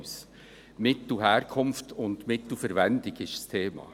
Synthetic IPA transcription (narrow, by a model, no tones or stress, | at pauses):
s | mɪtl̩ɦæːɾkʰʊmftʰʊnd̥mɪt̪l̩fɛɾvɛndɪɡɪʃst̪ʰeːmɑ̰ː